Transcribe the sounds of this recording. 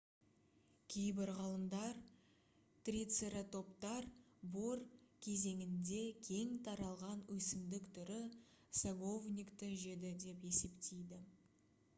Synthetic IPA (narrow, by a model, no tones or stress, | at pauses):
kʲʰejbɪɾʁɑlˠəmd̪ɑɾ | t̪rʲit̪seɾat̪ʰo̞pt̪ɑɾ | boɾkʲʰe̞ze̞ŋɪnd̪e̞kʲʰe̞ŋt̪ʰɑɾɑlˠʁɑnwɵsɪmd̪ɪkt̪ʰʏɾɪ | saɡo̞vnʲijkt̪əʒe̞d̪ɪd̪e̞pe̞se̞pt̪ejd̪ɪ